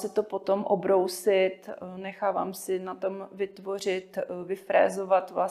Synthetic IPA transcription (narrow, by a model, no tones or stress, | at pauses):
sɛt̪opo̞t̪o̞mʔobɾowsɪt̪nɛxaːva̰ːmsɪnat̪o̞mvɪt̪vo̞r̝ɪt̪vɪfɾɛ̰ːzovat̪vla